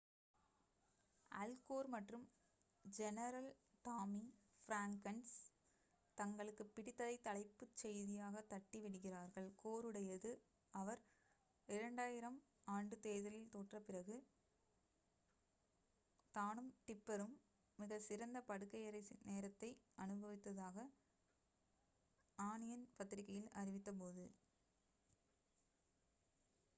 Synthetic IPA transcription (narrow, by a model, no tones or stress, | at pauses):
ɐlkoːɾmɐʈrɯm | d͡ʒɛnɐɾɐlt̪aːmifɪɾaːŋkɐns | t̪ɐŋɡɐɭɯkːɯpːɪɽɪt̪ːɐðɐɪt̪ːɐɭɐɪpːɯt͡ʃːɛjðɪjaːɣɐt̪ːɐʈːiʋɪɽɯɣɪraːɾɣɐɭkoːɾɯɽɐjɐðɯ | ɐʋɐɾ | ɪɾɐɳɖaːjɪɾɐm | aːɳɖɯt̪eːðɐlɪlt̪oːʈrɐpɪrɐɣɯ | t̪aːnɯmʈɪpːɐɾɯmː | ɪɣɐsɪɾɐnd̪ɐpɐɽɯkːɐjɪɾɐɪneːɾɐt̪ːɐɪɐnɯbɐʋɪt̪ːɐðaːɣɐ | aːnɪjɐnpɐt̪ːɪɾɪkːɐjɪlɐrɪʋɪt̪ːɐp̬oːðɯ